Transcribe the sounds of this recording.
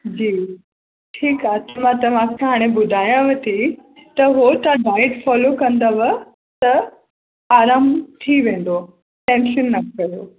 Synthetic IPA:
d͡ʑiː | ʈʰiːkaːɦt̪ɐmãt̪ɐʋ̤ãkʰãɦaːɽ̃ebʊd̪ʱaːjãʋɐt̪it̪ɐɦot̪ãɖaːɪʈfɔːlokɐ̃nd̪aʋɐ | t̪ɐ | aːɾaːmt̪ʰiʋẽːn̆d̪o | ʈɛ̃ːnʃənːɐkɐjoː

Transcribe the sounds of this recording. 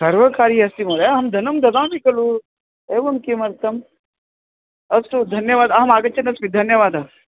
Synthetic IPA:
sɐɾʋɐkaːɾiɐst̪imɐɾeɦɐmd̪ʱɐnɐmd̪ʱɐd̪ãːnikɐlu | eːʋɐmkimɐɾt̪ɐm | ɐsud̪ʱɐnjɐʋaːd̪ɐɦɐmaːɡɐt͡ʃʰɐnɐsmid̪ʱɐnjɐʋaːd̪ɐ

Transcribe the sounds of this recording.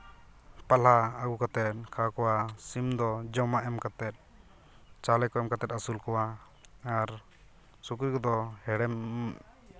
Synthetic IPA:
palaaɡukat̪ɛt̪̚kʰakɔwasimd̪ɔd͡ʒɔmaʔɛmkat̪ɛt̪̚ | t͡ʃalɛkɔɛmkat̪ɛt̪̚asulkɔwa | aɾ | sukɾikɔd̪ɔhɛɽɛm

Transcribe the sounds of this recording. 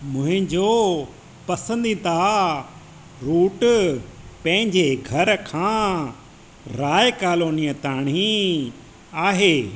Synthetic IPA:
mʊ̃ɦɪ̃ɲd͡ʑo | pɐsə̃nd̪it̪a | ɾuːʈ | pɐ̃ɦɪ̃ɲd͡ʑeɡʱɐɾkʰãː | ɾaːjkaːloːnijət̪aːɽ̃ĩ | aːɦeː

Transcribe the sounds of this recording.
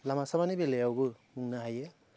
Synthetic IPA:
lamasamanibelejawbɯmuŋnaɦajɯ

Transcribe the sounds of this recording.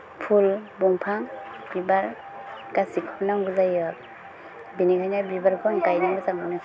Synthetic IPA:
pʰulbɔŋpʰaŋ | b̥ibaɾ | kasikʰɔpnaŋɡuzajɔ | binikʰajnabibaɾpʰɔnkajnaŋuzaŋana

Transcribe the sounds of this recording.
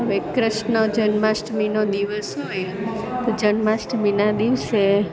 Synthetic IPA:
ɦəʋekɾəʃnəd͡ʒənmasʈminod̪iʋəsɦoj | t̪od͡ʒənmasʈminad̪iʋse

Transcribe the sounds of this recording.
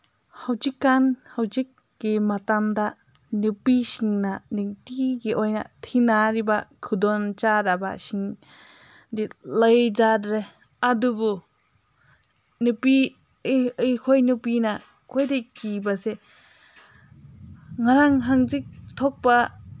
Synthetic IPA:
hawd͡ʒikːanhawzik̚ː | imatamda | nɯpisiŋnanɯŋtiɡiʔɔjna̰tʰinaɾibakʰɯdɔnt͡ʃadaba̰siŋ | diləjd͡ʒadɾe | adubu | nɯpi | ɯjkʰɔjnɯpina | kʰɔjdejkibase | ŋaɾaŋɦaŋzik̚t̪ʰɔk̚ba

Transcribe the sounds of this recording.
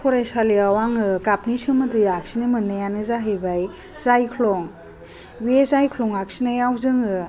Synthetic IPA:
pʰɔɾajsaliawaŋɯkapnisɯmɯtɯjak̚sinɯmɯnːajanɯzaɦɯjbaj | zajkʰlɔŋ | biesajkʰlɔŋak̚sinajawzɯŋɯ

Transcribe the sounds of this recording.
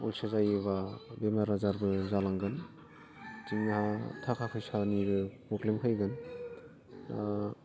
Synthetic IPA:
ɔ̰lsazajeβabemaɾazaɾbɯzalaŋɡɯn | tiŋnahatʰakʰakʰɯjsaniɡɯkɔklemkʰajɡɯn | a

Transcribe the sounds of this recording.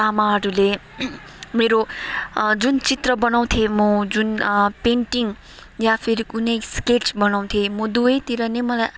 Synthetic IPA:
amaɾule | meɾo | d͡zunt͡sit̪rʌbʌnaw̃t̪ʰjemʌd͡zunpeɳʈiŋ | japʰiɾiunejsket͡sbʌnaw̃t̪ʰjemʌd̪uet̪iɾʌnemʌlaj

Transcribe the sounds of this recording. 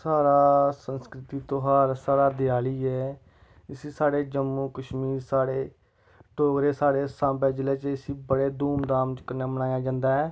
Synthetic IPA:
saːɾaːsənskɾɪt̪iːt̪oːɦaːɾsaːɾaːd̪ɪjaːliːɛː | ɪsiːsaːɽeːd͡ʒəmːuːkəʃmiːɾsaːɽeː | ʈoːɡɾeːsaːɽeːsãːbɛːd͡ʒɪleːt͡ʃɪsiːbəɽeːd̪uːmd̪aːmt͡ʃkəɾnaːbəñaːjaːd͡ʒãːnd̪aːɦɛː

